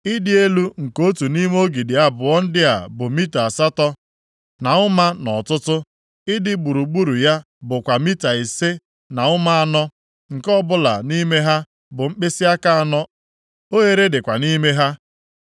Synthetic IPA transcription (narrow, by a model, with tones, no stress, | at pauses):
ɪ˦dɪ˦e˦lu˦ŋ̩˨ko˦tu˨ni˦m˦o˦ɡi˨dɪ˨a˦bʊ˨ɔ˦n̩˦dɪ˦a̰˨bʊ˨mi˦ta˨a˨sa˦tɔ˦ | na˨ʊ˦ma˦nɔ˨tʊ˦tʊ˦ | ɪ˦dɪ˦ɡ͡bu˨ɾu˨ɡ͡bu˦ɾu˨ja˦ | bʊ˨kʷa˨mi˦ta˨i˨se˦ | na˨ʊ˦ma˦a˦˨nɔ˦ | ŋ̩˨kɔ˦bʊ˦la̰˨ni˦me˦ɦa˦ | bʊ˨ŋ͡m̩˦k͡pe˦sɪ˦a˦ka˦a˨nɔ˦ | o˦ɦe˦ɾe˦dɪ˨kʷa˨ni˦me˦ɦa˦